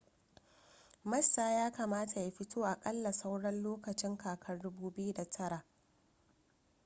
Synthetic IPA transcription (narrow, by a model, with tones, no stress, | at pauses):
mɐ˦sːaː˨jaː˦ka˨maː˦ta˨ja˦ɸɪ˦tʰoː˦ʔa˨kʼɐ˦lːa˨sa˦wɽɐ˦nloː˦kɐ˨t͡ʃɪ˦ŋkaː˨kʰɐ˦rdʊ˦buː˦bɪ˦ju˦da˨tʰɐ˦ɽa˨ʔ